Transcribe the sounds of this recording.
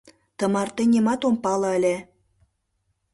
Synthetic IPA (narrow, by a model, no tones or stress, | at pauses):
t̪ɤ̆mɑrt̪enʲemɑt̪ompɑlˠɑ̆ə̆lʲe